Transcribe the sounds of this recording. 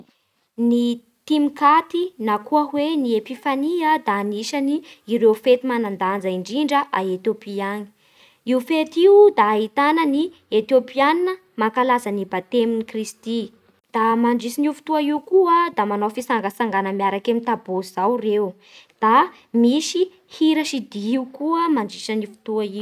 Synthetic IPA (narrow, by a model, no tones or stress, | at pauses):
ni | t̪imikat̪inakuəɦweniepifaniəd̪aniʃaniːɾeufet̪imanand̪and͡zaiɳɖ͡ʐiɳɖ͡ʐəʔaet̪jopiaɲi̥ | iufet̪iud̪ait̪anəni | et̪jopianinə | makalazanibat̪eminikrist̪i | d̪̥amaɳɖ͡ʐisinufu̥t̪uaiukuəd̪amanofisaŋɡəsaŋɡanəmiaɾakemit̪abozawrew | d̪̥a | misi | hiɾaʃid̪iiukuəmaɳɖ͡ʐiʃanifu̥t̪uaiu